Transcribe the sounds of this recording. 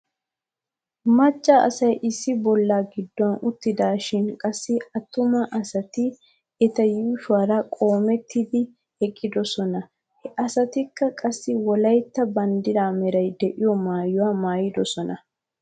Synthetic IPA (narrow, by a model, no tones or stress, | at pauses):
mɐt͡ʃʼːaʔɐ̰sɐjʔɪsːɪbɔlːaːɡɪd̪ːɔɐnʊt̪ːɪd̪aːʃɪnkʼɐsːɪɐt̪ːʊmɐʔɐsɐt̪ɪ | ɛt̪ɐjuːʃʊwaːɾɐkʼo̞ːmɛt̪ʰːɪd̪ɪ | hɛkʼːɪd̪ɔsɔnɐ | hɛʔɐsɐt̪ɪkːɐkʼɐsːɪwɔlɐjt̪ːɐbɐnd̪ɪɾaːmɛɾɐjd̪ɛʔɪjɔmaːjʊwaːmaːjɪd̪ɔsɔnɐ